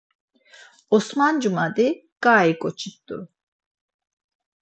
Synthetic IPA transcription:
ɔsmand͡ʒumad̪i | ɡ̥aːikʼɔt͡ʃʰit̪ːṵɾ

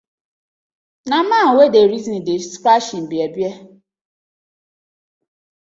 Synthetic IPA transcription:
naman̩wedeɾizin̩despɾaʃim̩biebje

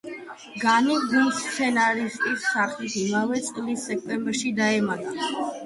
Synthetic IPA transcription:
ɡaniɡulssʰɛnaɾist̪ʼisːaɾχlisimavɛt̪sʼqʼlisːɛk̚ʰt̪ʼɛmbɛɾʃid̪aɛmat̪ʼa

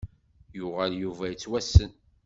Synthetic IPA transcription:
jʊʁæljuvæjət͡sːwæsən

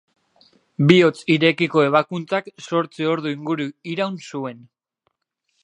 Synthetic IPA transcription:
bio̞t͡siɾe̞kiko̞e̞β̞akunt͡sakso̞ɾt͡sio̞ɾðuiŋɡuɾuiɾawnsue̞n

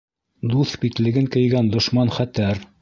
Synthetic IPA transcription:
d̪uθbit̪lɘ̆ɡɘŋkɘ̆jɡænd̪ŏʃmɑnχæt̪æɾ

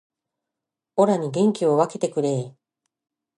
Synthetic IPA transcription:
o̞ɾaɲ̟iɡẽ̞ŋkʲio̞βake̞t̪e̞kɯ̟ɾe̞ː

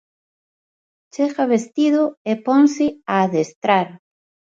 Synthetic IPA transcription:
t͡ʃeɣaβest̪iðʊepɔŋsɪaːðest̪ɾaɾ

